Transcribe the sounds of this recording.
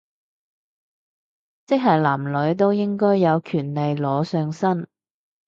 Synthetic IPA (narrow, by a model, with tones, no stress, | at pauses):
t͡sɪ˥k̚ɦɐ˨˩jlaː˨˩mlɵ˨˧˥ɥt̪̬o˥wjɪ˥ŋkɔː˥jːɐ˨˧wkʰyː˨˩nle˨jlɔː˨˧sœː˧ŋsɐ˥n